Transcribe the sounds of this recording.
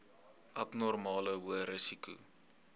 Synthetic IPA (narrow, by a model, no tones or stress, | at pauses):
ʔɐpnɔrmɑːləɦuəɾəsikṵ